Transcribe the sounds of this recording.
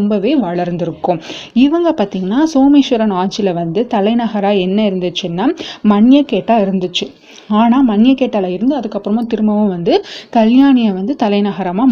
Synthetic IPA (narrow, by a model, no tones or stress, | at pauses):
mbɐʋeːʋɐɭɐɾnd̪ɪɾɯkːʊ̃ɪʋɐŋɡɐpaːɾt̪iːŋɡɐnːaːsoːmeːʃʊɾɐnaːɲt͡ʃɪlɐʋɐnd̪ɯt̪ɐlɐɪnɐɣɐɾaːɛnːɐɪɾɯnd̪ɯt͡ʃːɯnːaːmɐɳɪjɐkeːʈːaːɪɾɯnd̪ɯt͡ʃːɯ | aːnaːmɐnːɪjɐkeːʈːaːlaːɪɾɯnd̪ɯɐðɯkːɐpːɯɾɐmõːt̪ɪɾɯmɐʋɯ̃ʋɐnd̪ɯkɐljaːnɪjɐʋɐnd̪ɯt̪ɐlɐɪnɐɣɐɾɐmaː